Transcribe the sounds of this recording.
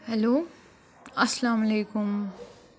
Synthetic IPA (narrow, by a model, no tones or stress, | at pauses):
hɛloː | ɐsɐlaːmɐleːkʊm